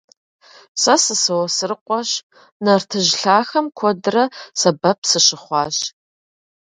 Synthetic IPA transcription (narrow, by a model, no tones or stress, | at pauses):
sɐsɨsɐwɐsɨrɨqʷɔɕ | nɐrtʰɨʑɬaːxɐmkʷʰɔdɨrɐsɐbɐpʰsɨɕɪχʷɑːɕ